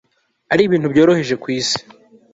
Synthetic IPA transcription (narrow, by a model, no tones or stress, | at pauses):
aɾiːβiːntubjo̞ːɾo̞he̞ʒe̞kwiːsi̥